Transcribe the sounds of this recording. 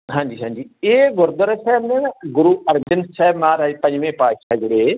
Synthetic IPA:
ɦãːɲd͡ʒiːɦãːɲd͡ʒiːeːɡʊɾd̪əɾsɛːbnẽːnɡʊɾuːəɾd͡ʒənsɛːbmãːɾaipə̃ɲd͡ʒʋẽːpaːʃaːd͡ʒɪɽeː

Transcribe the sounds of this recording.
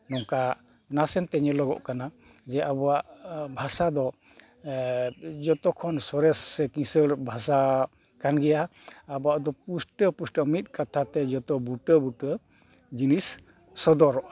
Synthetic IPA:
nɔŋka | nasɛnt̪ɛɲəlɔɡɔ̰ʔkana | d͡ʒɛʔabɔwaʔbʱasad̪ɔ | d͡ʒɔt̪ɔkʰɔnsɔɾɛsːɛkĩsəɾbʱasa | kanɡɛjaːbɔaʔd̪ɔpusʈəpusʈəmit̪̚ˀkat̪ʰat̪ɛd͡ʒɔt̪ɔbuʈəbuʈə | d͡ʒinisː | ɔd̪ɔɾɔʔḁ

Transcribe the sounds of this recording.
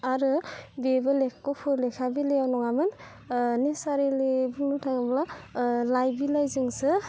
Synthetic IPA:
aɾɯbebɯlekkɔpʰɯɾlekʰabileawnɔŋamɯn | nesaɾilebuŋnɔtʰaŋablalajbilajzɯŋsɯ

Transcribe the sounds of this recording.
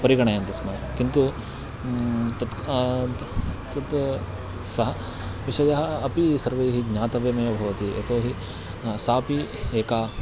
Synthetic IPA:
pɐɾiɡɐɳejɐnt̪ɐsmɐjɐkint̪u | t̪ɐt̪ | t̪ɐt̪ | sɐɦɐ | ʋiʃɐjɐɦɐːpisɐɾʋejɦiɡɲaːt̪ɐʋjɐmɐjɐbʱɐʋɐt̪iʔɐ̰t̪oːɦi | saːpieːkaː

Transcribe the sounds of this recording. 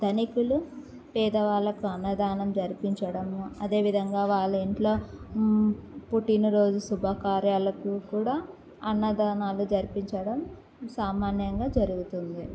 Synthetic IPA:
d̪ɐnikulu | pɛːd̪ɐʋaːɭɐkuɐnːɐd̪aːnɐmd͡ʒɐɾipiɲt͡ʃɐɽɐmɐd̪e̞ːʋid̪ʱɐŋɡaːʋaːɭːiɳʈlo̞ː | puʈinuɾo̞ːd͡ʒusubʱɐkaːɾjaːlɐkukuːɽaː | ɐnːɐd̪aːnaːlud͡ʒɐɾipiɲt͡ʃɐɽɐm | saːmaːnjɐŋɡaːd͡ʒɐɾuɡut̪und̪i

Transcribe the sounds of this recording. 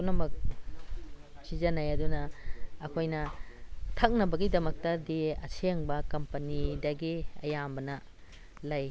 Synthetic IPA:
unɐmɐk̚ | sizɐnɐjɐdunɐːkʰojnɐ | tʰɐk̚nɐbɐɡidɐmɐk̚tɐdiɐ̰sʰeŋbɐkɐmpɐnidɐɡiɐ̰jambɐnɐ | lɐj

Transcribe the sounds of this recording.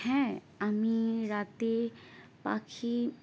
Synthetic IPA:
hɛ̃ | amĩɾaːt̪epa̰kʰi

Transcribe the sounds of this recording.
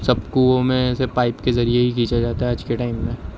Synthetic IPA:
sɐbkuomẽːsepaːɪpkezɐɾijeɦikiːt͡ʃad͡ʒaːt̪aɦɛaːd͡ʒkeʈaːɪmːẽ

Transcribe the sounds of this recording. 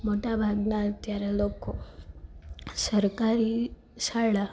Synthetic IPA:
moʈabʱaɡnat̪jaɾaloko | səɾkaɾi | saɭa

